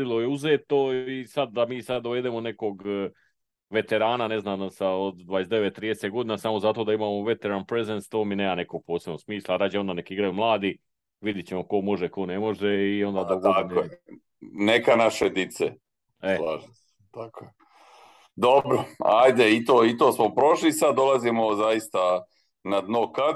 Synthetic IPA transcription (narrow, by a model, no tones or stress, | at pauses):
silˠo̞jeuzeːt̪o̞isad̪ːamiːsad̪d̪oʋe̞d̪emo̞ne̞ko̞ɡ | ʋe̞t̪e̞ɾaːnane̞znaːmsaod̪d̪ʋaːje̞zd̪e̞ʋet̪ːɾiːeseɡo̞d̪inesamo̞zat̪o̞d̪aimaːmoʋe̞t̪e̞ɾanpɾe̞zenst̪oːmineːmane̞ko̞ɡ̥̚poːsebnoɡsmiːslˠaɾaːd͡ʑeond̪ane̞kiiɡɾajumlˠaːd̪i | ʋid̪jet͡ɕemoko̞mo̞ʒeko̞nemo̞ʒeio̞nd̪aːd̪aakoje | nekanaʃed̪it̪se | elˠaːʒis | t̪akoje | d̪obɾoajd̪eit̪oːit̪oːsmopɾo̞ʃlisad̪̚ːo̞lˠazimozajist̪a | nad̪noka